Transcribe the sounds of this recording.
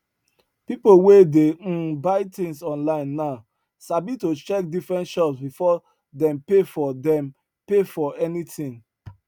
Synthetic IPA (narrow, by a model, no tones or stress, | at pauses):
pipowedebaɪtĩŋsɔ̃nlãɪ̃nːaʊ | sabitot͡ʃɛk̚difɹɛ̃ntʃɔpsbifɔ | dɛ̃mpefɔdɛ̃m | pefɔɛnitĩŋ